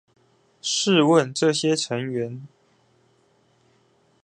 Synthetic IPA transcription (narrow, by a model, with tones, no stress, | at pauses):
ʂɻ̩˥˧wə˥˨nʈ͡ʂɤ˥˩ɕjɛ˥ʈ͡ʂʰɤ˧˥ŋɥɛ˧˥n